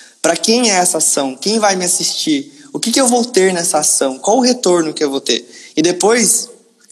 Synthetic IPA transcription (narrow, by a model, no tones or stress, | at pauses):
pɾɐkẽj̃ɛɛsɐasɐ̃w̃kẽj̃vajmɪasist͡ʃiɾʊkɪkɪewvowt̪eɾnɛsɐasɐ̃w̃kwawɛʊɦet̪oɾnʊkɪewvowt̪ḛɾɪd̪epojs